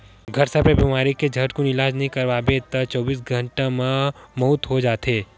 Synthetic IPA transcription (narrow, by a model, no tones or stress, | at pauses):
ɡʱɐɾsəpebimaːɾiked͡ʒʱɐʈkonɪlaːd͡ʒnɐɦĩkɐɾʋaːbet̪ɐt͡ʃɔːbiːsɡʱɐ̃ɳʈamãmɔut̪ɦod͡ʒaːt̪eː